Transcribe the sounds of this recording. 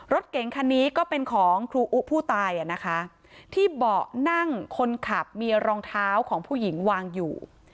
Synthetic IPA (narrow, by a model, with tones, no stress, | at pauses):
ɾo˦˥t̪̚ke˩˦ŋkʰa˧niː˦˥kɔː˥˩pe˧nkʰɔː˩˦ŋkʰɾuː˧ʔu˦˥pʰuː˥˩t̪aː˧jʔa˨˩na˦˥kʰa˦˥ | t̪ʰiː˥˩bɔː˨˩na˥˩ŋkʰo˧nkʰa˨˩p̚miː˧ɾɔː˧ŋt̪ʰaː˦˥wkʰɔː˩˦ŋpʰuː˥˩ji˩˦ŋwaː˧ŋjuː˨˩